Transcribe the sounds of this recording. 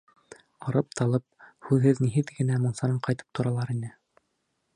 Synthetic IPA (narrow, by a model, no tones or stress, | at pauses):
ɑɾɤp̚t̪ʰɑlˠɤp̚hʉðhɘðniɦɘðɡɘ̆næmunsɑɾɤɴqɑjt̪ɤ̥p̚t̪ʰŏɾɑlˠɑɾinɘ